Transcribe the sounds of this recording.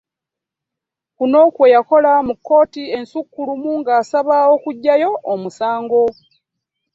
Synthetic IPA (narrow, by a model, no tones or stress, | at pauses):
kuno̞ːkwejako̞lamukːo̞ːtie̞nsukːulumuŋɡaːsaβao̞kuɟːajo̞ʔomusaːŋɡo̞